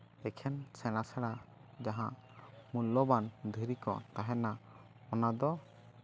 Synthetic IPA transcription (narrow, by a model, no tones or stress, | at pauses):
ɛkʰɛnsɛɽ̃asaɽa | d͡ʒaɦãʔ | mulːɔband̪ʱiɾikɔ̰t̪aɦɛna | ɔnad̪ɔ